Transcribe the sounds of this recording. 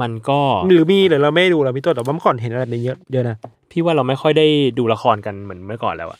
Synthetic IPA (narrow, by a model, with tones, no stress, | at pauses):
ma˧nkɔː˥˩ɾɯː˨˩˦miː˧lɯː˨˦ɾa˧wma˥˩˨jduː˧ɾa˧mi˧˩t̪ːwa˥˩m˧˥˨kːɔː˨˩˦nɦe˨˩˦nʔa˧d̚na˧˩jɤ˦˥ʔjɤ˦˥ʔna˦˥ | t̪ʰiː˥˩waː˥˩ɾa˧wma˥˩jxʰɔ˥˩jda˥˩jduː˧la˧xɔː˧nka˧nmɯ˩˦nmɯ˥˩əkɔ̰ː˨˩nlɛ̰ː˦˥wʔa̰˨˩